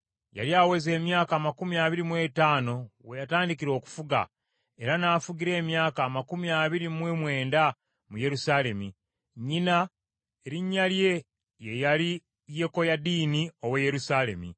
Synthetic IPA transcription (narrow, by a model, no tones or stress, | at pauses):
ja̰ljaːwe̞ze̞ːmjaːkaːmakumiaβiɾimwe̞taːno̞wejataːndikiɾo̞ːku̥fuɡa̰ | e̞ɾanaːfuɡiɾe̞ːmjaːkaːmakumiaβiɾimwemwe̞ːnda | muje̞ɾusaːle̞mi | ɲina | eɾiɲːalje̞ | je̞jali | je̞ko̞jadiːnio̞weje̞ɾusaːle̞̰mḭ